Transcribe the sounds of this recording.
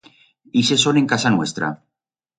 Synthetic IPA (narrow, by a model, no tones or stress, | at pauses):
ise̞soneŋkasanwe̞st̪ɾa̰